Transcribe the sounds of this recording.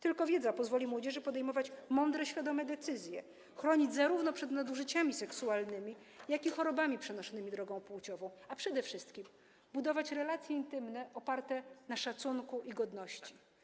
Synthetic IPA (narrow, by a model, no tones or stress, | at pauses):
t̪ɘlkɔvʲjɛd̪zapɔzvɔlʲimwɔd͡ʑɛʐɘpɔd̪ɛjmɔvat͡ɕmɔnd̪ɾɛɕfʲjad̪ɔmɛd̪ɛt̪sɘzʲjɛ̰ | xɾɔɲid͡ʑzaɾuvnɔpʂɛd̪nad̪uʐɘt͡ɕamʲisɛksualnɘmʲi | jakʲixɔɾɔbamʲipʂɛnɔʂɔnɘmʲid̪ɾɔɡɔ̃w̃put͡ɕɔvɔ̃w̃apʂɛd̪ɛfʂɘst̪kʲim | bud̪ɔvat͡ɕɾɛlat̪sʲjɛint̪ɘmnɛɔpaɾt̪ɛnaʂat̪suŋkuʔiɡɔd̪nɔɕt͡ɕi